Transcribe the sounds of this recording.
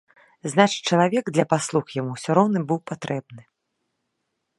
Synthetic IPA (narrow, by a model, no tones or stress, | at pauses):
znat͡ʂɨ̥t͡ʂɐlˠavʲɛɡd̪lʲɐpaslˠuxjamusʲɔɾɔwnɨbɨwpat̪ɾʔɛbnɨ